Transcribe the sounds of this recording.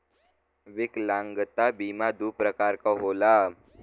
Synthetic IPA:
ʋiklãŋɡt̪abimad̪uːpɾəkaɾkaɦola

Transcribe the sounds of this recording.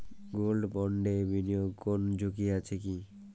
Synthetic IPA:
ɡolɖbɔɳɖebʱinijoɡkond͡ʑʱokiat͡ɕʰeki

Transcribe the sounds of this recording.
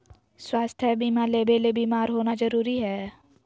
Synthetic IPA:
swaːst̪ʰɛbiːmaleːbeːlebiːmaːɾɦoːnazəɾuːɾiɦɛː

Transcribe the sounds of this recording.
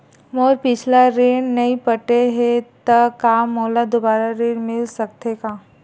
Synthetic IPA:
moːɾpɪt͡ʃʰlaɾeːɽnɐĩpəʈeɦet̪ɐkaːmːoːlad̪obaːɾaɾeːɽmɪlsɐkt̪ekaː

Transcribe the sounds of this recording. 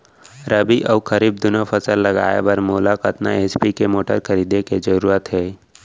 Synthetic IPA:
ɾəbiʔɐʋkʰɐɾiːb̚d̪ʊnafʰəsəlːɐɡa̰ːḛbɐɾmoːlakɐt̪na̰eːspikemoːʈə̰ɾkʰɐɾiːd̪eked͡ʒəɾuːɾət̪ɦɛː

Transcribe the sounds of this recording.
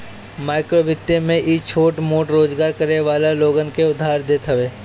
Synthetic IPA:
maːɪkɾoːʋɪt̪ːemẽʔit͡ʃʰoːʈmoːʈɾoːd͡ʒɡaːɾkɐɾeʋaːlaloːɡənkeʊd̪ʱːaːɾd̪eːt̪ɦəʋeː

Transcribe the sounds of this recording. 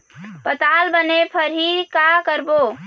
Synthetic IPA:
pət̪albənepʰəɾɦikakəɾbo

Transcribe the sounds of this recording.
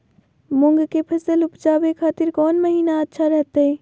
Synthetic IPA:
mʊŋɡkepʰəsəlupd͡ʒaːbekʰaːt̪iɾkɔːnməɦiːnaətːʃʰaɾəɦt̪əi

